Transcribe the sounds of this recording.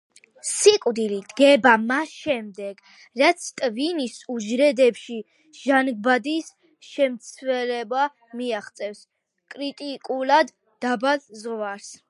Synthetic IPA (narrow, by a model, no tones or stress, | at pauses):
sikʼwd̪ilid̪̥ɡɛbamasʃɛmd̪ɛɡ | ɾat̪sʰt̪ʼvinisuʒɾɛd̪ɛpʃi | ʒ̥anɡ̚bad̪is | ʃɛmt̪sʰvɛlɛba | miaχt̪sʼɛfs | kʼɾit̪ʼikʼulad̪ː | abalzʁvaɾs